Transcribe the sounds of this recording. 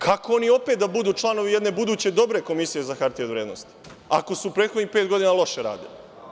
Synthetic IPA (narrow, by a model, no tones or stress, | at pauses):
kʰakoo̞nio̞peːt̪̚d̪abud̪uːt͡ʃlˠano̞ʋije̞d̪ne̞bud̪uːt͡ɕe̞d̪o̞bɾe̞ko̞misije̞zaxaɾt̪ieoʋɾe̞ːd̪nost̪i̥ | ako̞suupɾet̪xo̞d̪nixpet̪ɡo̞d̪inalˠo̞ʃeɾa̰ːd̪ḭli